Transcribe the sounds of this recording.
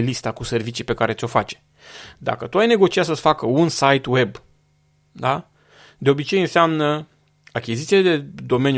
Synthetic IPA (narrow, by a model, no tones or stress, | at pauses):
list̪akuse̞rvit͡ʃipe̞kaɾe̞t̪sʲo̞fat͡ʃe̥ | d̪a̰kət̪uajne̞ɡo̞t͡ʃiats̬əsfakəunsajt̪we̞b | d̪a | d̪e̞o̞bit͡ʃe̞jɨnseamnə | akʲizit̪sied̪e̞d̪o̞me̞n